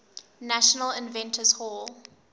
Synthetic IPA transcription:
næʃənəlɪ̃nvɛ̃ntʰəzhɔlˠ

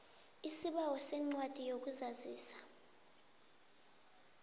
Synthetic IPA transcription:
isiɓawɔsɛŋ͡ǀwad̥ʱijok̬uzaziːsḁ

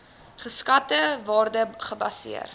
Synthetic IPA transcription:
χəskɐtəvɑːrdəχəbɐsḭə̰r

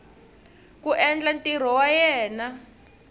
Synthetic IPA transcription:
kuʔɛnd͡ɮantʼir̤ɔwajɛːna

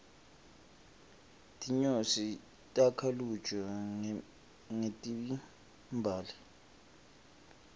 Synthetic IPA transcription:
tʼiɲosi | tʼakʰalu̥t͡ʃʰʼɔ | ŋetʼiɓi | mbʱaːlɛ

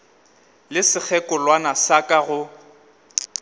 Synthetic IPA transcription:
lɪsɪk͡xʰɛkʼɔlwanasakʼaɣʊ

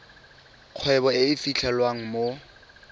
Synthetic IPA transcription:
q͡χʰwɛbɔɪɪfiɬʰɛlwaŋ̩mo

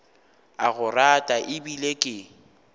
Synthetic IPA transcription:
aɣʊratʼaʔɪbilekʼɪ

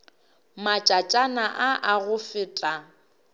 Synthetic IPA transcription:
mat͡ʃʼat͡ʃʼanaʔaʔaɣʊfɪtʼa

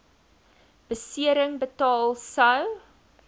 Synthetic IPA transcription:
b̥əsiəɾəŋbətɑːlˠsɐw

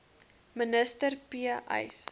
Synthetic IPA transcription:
mənəstərpiəʔɐ̰js

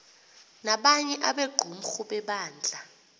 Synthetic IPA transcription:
naɓaɲɛʔaɓeɡ͡ǃ̥ʱum̩xuɓɛɓaːnd͡ɮʱa

